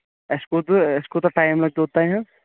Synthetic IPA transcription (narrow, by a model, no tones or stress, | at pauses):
eskot̪eskot̪ɔʈaːɪmlɐɡ̚t̪ot̪aɦɛ̃